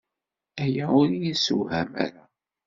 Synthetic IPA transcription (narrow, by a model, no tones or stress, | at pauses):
æjæʊɾijisṵhæ̰mæ̰ɾa